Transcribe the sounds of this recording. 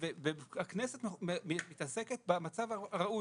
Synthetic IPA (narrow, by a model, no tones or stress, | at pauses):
vebehakneset̪mmit̪aseket̪̚bamat͡savaʁaʔu